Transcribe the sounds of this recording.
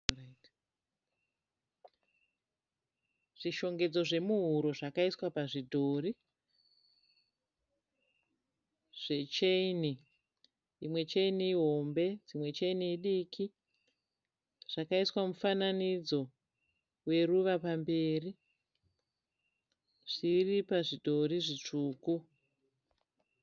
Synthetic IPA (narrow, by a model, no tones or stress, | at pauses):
t | ʐ̥iʃo̞ŋɡe̞d͡zoʐe̞muɦuɾo̞ʐakaiswapaʐidʱoːri | ʐ̥e̞t͡ʃeini | imwe̞t͡ʃeiniːɦo̞mbe̞d͡zimwe̞t͡ʃeiniːɗiːkʰi | ʐ̥akaiswamufananid͡zo̞ | we̞ruʋapambeːri | ʐ̥iripaʐidʱo̞ɾiʐit͡ʂuːku